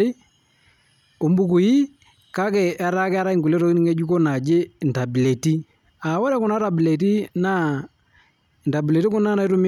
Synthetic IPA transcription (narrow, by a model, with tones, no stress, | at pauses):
i˦ | o˨mbu˦ku˨ji˦ | ka˦kɛ˨ʔa˦ɾa˦kɛ˦a˦ɾa˦i˦ŋku˨lɛ˦ɾɔ˦ki˦i˦ŋɡɛ˦d͡ʒu˦kɔ˦na˨d͡ʒe˦˨n˨ta˨bi˨lɛ˨ti˦ | a˨wɔ˦ɾɛ˦ku˨na˦ɾa˨bi˨lɛ˨t̬i˦na˦˨ | nta˨bi˨lɛ˨ti˦ku˦na˦na˨i˦tu˦mi˦